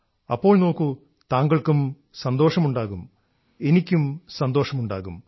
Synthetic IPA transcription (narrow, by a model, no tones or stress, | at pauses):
ɐpːo̞ːɭno̞ːkːu | t̪aːŋɡɐɭkum | sɐnd̪o̞ːʂɐmuɳɖaːɣum | e̞nikʲːumsɐnd̪o̞ːʂɐmuɳɖaːɣum